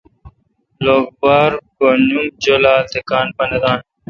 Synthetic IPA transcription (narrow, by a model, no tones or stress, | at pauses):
loːɡ̚baːɾbonũd͡ʑolaːt̪ekaːnpɐnɐd̪aːn